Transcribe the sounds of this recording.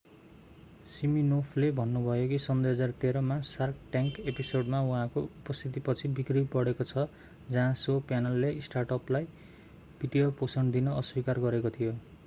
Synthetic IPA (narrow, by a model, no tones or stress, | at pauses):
siminopʰlebʱʌnːubʱʌjokisʌnd̪ujɦʌd͡zart̪eɾʌmasarkʈjaŋkepisoɖmawũɦãkoupʌst̪ʰit̪̬ipʌt͡sʰibikribbʌɽekot͡sʰʌ | d͡zʌɦãsopjanʌlːesʈarʈʌplaj | bʱiɖijoposʌɳd̪inʌʌswikarɡʌɾekot̪ʰijo